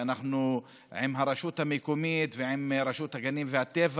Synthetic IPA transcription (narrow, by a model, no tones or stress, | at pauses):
anaχnu | ʕimɦaɾeʃut̪hamekomit̪veʕimɾeʃut̪haɡanimvehat̪ev